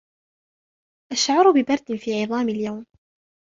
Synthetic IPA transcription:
ʔaʃʕɑɾˤbɪbɑɾˤd̪ɪnfiːʕɪðˤɑːmɪljawm

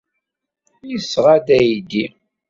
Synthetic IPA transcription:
jisːʁad̪æjd̪i

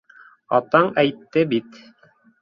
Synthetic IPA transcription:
ɑ̰t̪ɑɴæjt̪ːɘbit̪

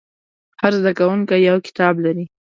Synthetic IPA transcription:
haɾzd̪akawuŋkajawkɪ̥t̪ɑblaɾi

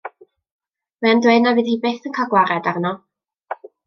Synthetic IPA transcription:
mɛandweɨdnavɨːðhiːbeːθənkʰaɡwaɾɛdarnɔ

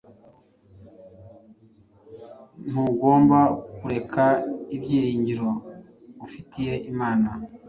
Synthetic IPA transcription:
n̥huɡo̞ːmbakuɾe̞kʰaibɟiːɾiːɲɟiɾo̞ | βufitije̞ʔimaːna

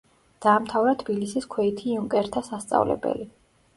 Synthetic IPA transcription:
d̪̥aːmt̪ʰavɾat̪ʰbilisiskʰwɛit̪ʰiuŋkʼɛɾt̪ʰasast̪sʼa̰vlɛ̰bɛ̰li

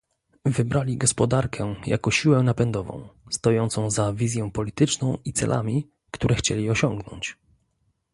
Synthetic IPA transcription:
vɘbɾalʲiɡɔspɔd̪aɾkʰɛja̰kɔɕiwɛnapɛnd̪ɔvɔ̰̃w̃st̪ɔjɔnt̪sɔ̃w̃zavʲizʲjɔ̃w̃pɔlʲit̪ɘt͡ʂnɔ̃w̃it̪sɛ̰lʔa̰mʲi | kt̪uɾɛxt͡ɕelʲiɔɕɔ̃ŋɡnɔ̰ɲt͡ɕ

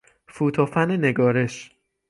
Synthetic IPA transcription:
fuːt̪ʰɒːfænene̞ɡɒːɾe̞ʃ

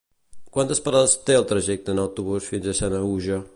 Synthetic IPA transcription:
kwant̪əspəɾaðəst̪eəlˠt̪ɾəʒɛk̚t̪əːnəwt̪uβusfinzəsanəuʒə

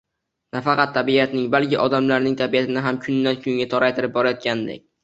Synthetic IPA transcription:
nafɑqɑt̪ʰːabiat̪nɪŋbalkʲɪʔɒd̪amlaɾnɪŋt̪ʰabiat̪ʰɪnɪɦamkʰʊnːankʰʲʊŋʲat̪ʰɒɾajt̪ʰɪɾɪp̚bɒɾajɒt̪̚kʲanɪd̪ḛk̚ʲ

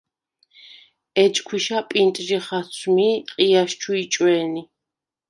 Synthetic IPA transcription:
ɛt͡ʃʼkʰwiʃapʼint̪ʼʒiχasʰmiqʼijaʃt͡ʃʰuit͡ʃʼwɛːni

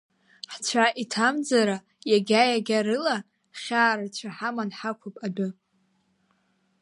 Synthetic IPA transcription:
ħt͡ɕʷʰaʔitʰamd͡zaɾa | jaɡʲajaɡʲaɾɨla | χʲaːɾat͡ɕʷʰaħamanħakʷʰopʼadʊ

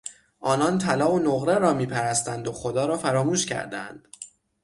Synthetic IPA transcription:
ʔɒːnɒnt̪ʰælɒːonoɣɾeɾɒːmiːpʰæɾæst̪ænd̪oxo̞d̪ɒːɾɒːfæɾɒːmuːʃcʰæ̰ɾd̪æ̰nd̪̥

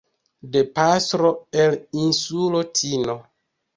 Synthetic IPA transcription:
de̞pastɾo̞elinsulotʰino̞

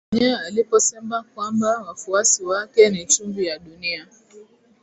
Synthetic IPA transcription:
niaalipɔsɛmakwambawafuasiwakɛnit͡ʃumɡujaɗunia

